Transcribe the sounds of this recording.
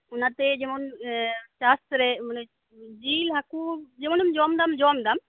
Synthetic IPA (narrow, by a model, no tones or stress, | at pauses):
ʊnat̪ed͡ʒemonʃaːst̪ɾen | d͡ʒiːlɦakud͡ʒemonumd͡ʒɔːmd̪amd͡ʒɔːmd̪am